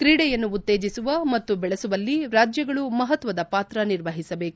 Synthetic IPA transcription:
kɾiːɽɛjɐnːuːt̪ːe̞ːd͡ʒisuʋɐmɐt̪ːubɛɭɐsuʋɐlːiɾaːd͡ʒjɐɡɐɭumɐɦɐt̪ʋɐd̪ɐpaːt̪ɾɐniɾʋɐɦisɐbe̞ːku

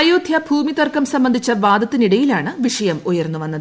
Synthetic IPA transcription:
ɐjuːd̪ʱjɐbʱuːmit̪ɐrkɐmsɐmbɐnd̪ʱit͡ɕːɐʋaːd̪ɐt̪ːiniɽɐjilaːɳɨʋiʂɐjɐmujɐrnːuʋɐnːɐð

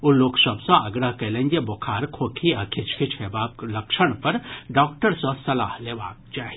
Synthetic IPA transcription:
ʊlːoksɐbsãʔɐɡɾaɦkɐlẽnd͡ʒebokʰaːɾkʰoːkʰiakʰɪt͡ʃʰkʰɪt͡ʃʰheːbaːb̚lɐkʃəɽ̃pɐɾɖɔːkʈəɾsõsɐlaːhleːʋaːk̚t͡ʃaːi

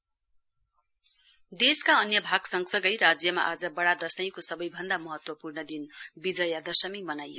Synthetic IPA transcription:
d̪eskaʌnjʌbʱaɡsʌŋsʌɡʌjɾad͡zjʌma̰ʔad͡zʌbʌɽad̪ʌsʌj̃kosʌbʌjbʱʌnd̪amʌɦʌt̪wʌpurnʌd̪inbid͡zʌjad̪ʌsʌmimʌnajo̰

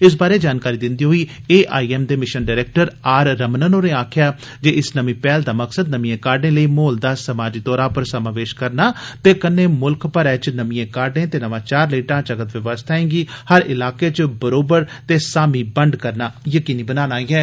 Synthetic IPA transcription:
ɪs̬baːɾeːd͡ʒaːnkaːɾiːd̪ɪ̃nd̪iːɦoːiːeːʔa̰ːiːɛːmd̪eːmɪʃənɖaːɾɛːk̚ʈəɾaːɾːəmnənoːnẽːaːkʰjaː | d͡ʒeːɪsnəmĩːpɛːld̪aːməksəd̪nəmĩẽːkaːɾɖẽːləiːmoːld̪aːsəmaːd͡ʒiːd̪ɔːɾaːpəɾsəmaːʋeːʃkəɾnaːt̪eːkənːeːmʊlkpəɾɛːt͡ʃnəmĩẽːkaːɾɖẽːt̪eːnəʋãːt͡ʃaːɾleːʈãːt͡ʃəkət̪ʋɪʋəst̪ʰaːẽːŋɡiːhəɾʔɪlaːkeːt͡ʃbəɾoːbəɾt̪eːsaːmiːbəɳɖkəɾnaːjəkiːniːbənaːnaːiːɛː

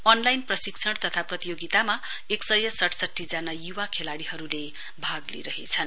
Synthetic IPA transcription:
ʌnlajnprʌsiksʰʌɽt̪ʌt̪ʰaprʌt̪ijoɡit̪ama | eksʌjʌsʌʈʰsʌʈʰːid͡zanajuwakʰelaɽiɦʌɾule | bʱaɡlḭɾʌɦet͡sʰʌn

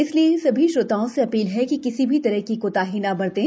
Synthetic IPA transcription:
ɪsliesɐbʱiʃoːt̪aːõseɐpiːlɦɛkikɪsibʱit̪ɐɾəɦkikot̪aːɦiːnabɐɾt̪ẽ

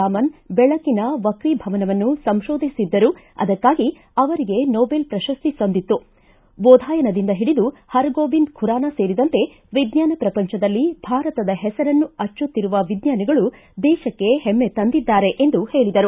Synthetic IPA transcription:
aːmɐnbɛɭɐkinɐʋɐkɾibʱɐʋɐnɐʋɐnːusɐmʃoːd̪ʱisid̪ːɐɾu | ɐ̰d̪ɐkːaːɡi | ɐʋɐɾiɡe̞nɔːbelpɾɐʃɐst̪isond̪it̪ːu | bɔːd̪ʱaːjɐnɐd̪ind̪ɐɦiɽid̪uhɐɾɡoːbind̪kʰuɾaːnase̞ːɾid̪ɐnt̪e̞ | ʋid̪ɲaːnɐpɾɐpɐɲt͡ʃɐd̪ɐlːibʱaːɾɐt̪ɐd̪ɐɦɛsɐɾɐnːuɐt͡ʃːut̪ːiɾuʋɐʋid̪ɲaːniɡɐɭu | d̪ɛːʃɐkːe̞hɛmːe̞t̪ɐnd̪id̪ːaːɾe̞ʔend̪uhe̞ːɭid̪ɐɾu

